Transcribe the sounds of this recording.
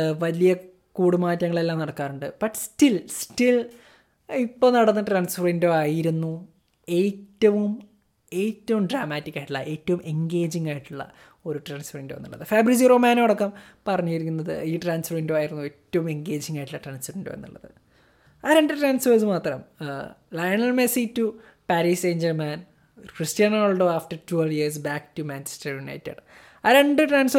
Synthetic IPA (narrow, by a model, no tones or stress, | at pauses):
ʋɐlijɐ | kuːɽumaːtːjɐŋːɐɭe̞lːaːmnɐɽɐkːaːɾuɳɖɨb̥ɐʈːstilstil | ipːoːnɐɽɐnːɨʈraːnsfreːndoːaːjiɾunːu | e̞ːtːɐʋum | e̞ːtːɐʋumɖraːmaːtːikʲːaːjiʈːuɭːɐʔe̞ːtːɐʋume̞ŋɡeːd͡ʑiŋːaːjiʈːuɭːɐ̰ | o̞ɾuʈraːnsfrindoenːṵɭːɐ̰ðɨfeːbrid͡ʑiroːmaːnɐoɽɐkːɐmpɐrɐɲːukɐɾikʲːunːɐðɨ̰iːʈraːnsfɐrindoːaːjiɾunːuetːɐʋume̞ŋɡe̞ːd͡ʑiŋːaːjiʈːuɭːɐʈraːnsɐrindo̰ːḛnːṵɭːɐðɨ̰ | aɾeɳɖɨʈraːnsfɐsɨmaːt̪rɐmlɐjɐɳɐlmesitːu | paːɾiːseːɲd͡ʑɐrmaːn | kristijaːnoːlɖoaːfʈɐrtueljiɐs̬baːktumaːnt͡ɕe̥stɐrina̰ːjtːɐ̰ɽɨ | aɾeɳɖɨʈraːns